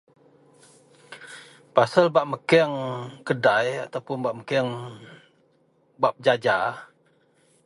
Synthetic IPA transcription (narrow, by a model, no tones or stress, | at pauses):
pasalbaʔməkɛŋkədajat̪awpʊnbaʔməkɛŋ | bap̚d͡ʒad͡ʒa